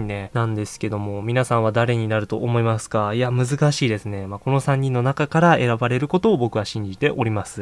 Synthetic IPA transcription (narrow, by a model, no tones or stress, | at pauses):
nenãnd̪e̞sɨ̥ke̞d̪o̞mo̞mʲinasãɰ̃βad̪aɾe̞ɲ̟inaɾɯ̟t̪o̞ʔːmo̞imasɨ̥kaiamɯ̟zɨkaɕiːd̪e̞sɨne̞mako̞no̞sãɲ̟ːĩnːo̞nakakaɾae̞ɾabaɾe̞ɾɯ̟ko̞t̪o̞ːbo̞kɯ̟βaɕĩɲ̟d͡ʑit̪e̞ʔo̞ɾʲimasɨ̥